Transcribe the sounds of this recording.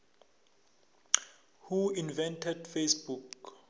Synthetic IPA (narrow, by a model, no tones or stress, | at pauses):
huinvɛ̃ntʰɛdfesbuk